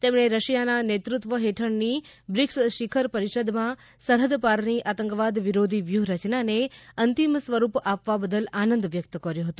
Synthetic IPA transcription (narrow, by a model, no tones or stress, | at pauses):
t̪emɳ̃eɾəʃijananet̪ɾut̪ʋəɦeʈʰəɳni | bɾiksʃikʰəɾpəɾiʃəd̪mã | səɾɦəd̪paɾniʔat̪əŋkəʋad̪ʋiɾod̪ʱiʋjuɦɾət͡ʃnaneənt̪imsʋəɾupapʋabəd̪əlanə̃nd̪ʋjək̚t̪əkəɾjoɦət̪ũ̥